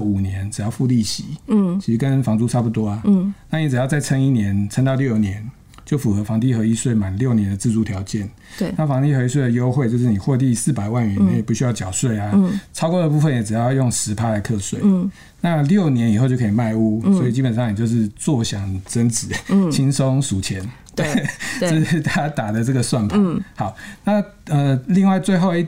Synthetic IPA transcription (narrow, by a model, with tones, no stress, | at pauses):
u˨˩njɛ˨˧˦nɻ̩˨˩jɑ˥˧ʊfu˥˧li˥˩ɕḭ˨˦t͡ɕʰi˧˥ʂ̩˧˥kə˦nfɑ˧˥ŋt͡su˥t͡sʰa˥pu˧˩t̪wɔ˥a˨na˥˩ni˨˦˩t͡sɻ̩˨˩jɑ˥˧ʊt͡sa˥˩ɪt͡sʰə˥ŋi˥njɛ˧˦nt͡sʰə˥ŋt̪ɑ˥˧ljo˥˧ʊ˨˩njɛ˧˦n | t͡ɕjo˥˩ʊfu˨˩xɤ˧˦fɑ˧˥ŋt̪̬i˥˩xɤ˧˥i˦˥swe˥˩ɪma˨˩n˦ljo˥˩ʊnjɛ˧˦nd̪ə˨t͡sɹ̩˥˧t͡su˥˩t̪ʰjɑ˨˧˥ʊt͡ɕjɛ˥˨n˩ | nna˥˩fɑ˧˥ŋt̪i˥˩xɤ˧˥i˧˥s̬we˥˩ɪd̪ə˩jo˥ʊxwe˥˧ɪt͡ɕjo˥˧ʊʂ̬ɻ̩˥˩ni˨˩xwɔ˥˧t̪̬i˥˧sɹ̩˥˩pa˨˩ɪwa˥˩nɥɛ˧˦na˥˩jp̬u˥˩ɕy˥jɑ˥˩ʊt͡ɕjɑ˨˩ʊswe˥˩ɪa˩t͡sʰɑ˥ʊkwɔ˥˧d̪ə˨pu˥˧fə˨njɛ˨˥ʈ͡ʂɻ̩˨˩jjjo˥˩ŋʂɻ̩˧˥pʰa˥la˧˥ɪkʰɤ˥˧swe˥˩ɪ | na˥˧ljo˥˨˩ʊnjɛ˧˦ni˨˩xo˥˧t͡ɕjo˥˧˩kʰːma˥˧ɪu˥swɔ˧˥i˨˩t͡ɕi˦˥pə˨˩nʂɑ˥˨ŋni˨˩t͡ɕjo˥˧ʊʂ̬ɻ̩˥˧t͡swɔ˥˩ɕjɑ˨˩ŋt͡sə˦˥nt͡sɻ̩˨˦t͡ɕʰi˦˥ŋso˦ŋsu˨˩t͡ɕʰjɛ˧˦n | t̪we˥˨˥ | t̪ʰa˥t̪a˨˩d̪ə˦t͡sə˥˩ɡə˩swa˥˩npʰa˨˩˦xɑ˨˩˦ʊna˥˨ | ə˨li˥˧ŋwa˥˧ɪt͡swe˥˧ɪxo˥˧ʊi˥˧